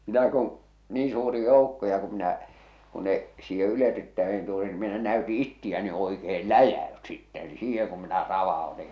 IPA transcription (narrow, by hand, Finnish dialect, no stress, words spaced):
mitæ kũː niː suːri joˑukːo jɑ ku minæ ku ne siːhe yletytːæen tuli ni minæ næyti itːiæ ne oikeːl læjæys sitːɛ ni siːheŋ kum minæ rɑʋɑoti